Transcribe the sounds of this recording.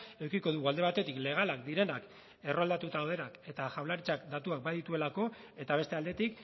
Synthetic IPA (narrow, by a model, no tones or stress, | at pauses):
e̞wkiko̞ðuɣuald̪e̞β̞at̪e̞t̪ikle̞ɣ̞alakd̪iɾe̞nak | e̞ro̞ald̪at̪ut̪aːwð̞enake̞t̪aʝawlaɾit͡sakd̪at̪uak̚baðit̪ue̞lako̞ | e̞t̪aβ̞e̞st̪e̞ald̪e̞t̪ik